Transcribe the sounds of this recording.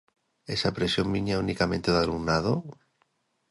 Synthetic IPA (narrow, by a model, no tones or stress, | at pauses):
esapɾesjomminjaunikamẽnt̪eðaluɣnaðo